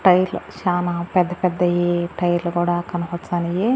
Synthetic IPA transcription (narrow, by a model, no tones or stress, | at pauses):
ʈɐjlʃaːnapɛd̪ːɐpɛd̪ːɐjeʈɐjlɡoːɽakɐnɐɦɔtsanije